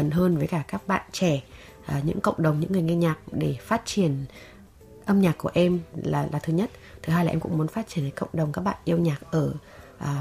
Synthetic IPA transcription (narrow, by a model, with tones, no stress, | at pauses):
ə˨˩nɦəː˧nvəː˨˦jkaː˧˩kaː˦˥k̚ɓa̰ː˧˨nt͡ɕɛ˧˩ | ʔːɲɨ̰˧˥ŋkə̰˧˨wŋ͡mɗə˨˩wŋ͡mɲɨ̰˧˥ŋːɨ˨˩əjŋe˧ɲaː˨˩k̚ɗe˧˩faː˦˥t̚t͡ɕi˧˩ən | ʔə˧mɲaː˨˩kːu˧˩əʔɛ˧mlaː˨˩laː˨˩t̪ʰɨ˧ɲə˦˥t̚ | t̪ʰɨ˨˩ɦaː˧jaː˨˩ʔɛ˧mkʊ̰˧˥ŋ͡mmu˨˦ə˦nfaː˦˥t̚t͡ɕi˧ənt̪əː˨˦kə̰˧˨wŋ͡mɗə˨˩wŋ͡mkaː˦˥k̚ɓa̰ː˧˨nʔi˧əwɲaː˨˩k̚ʔəː˧˩ʔː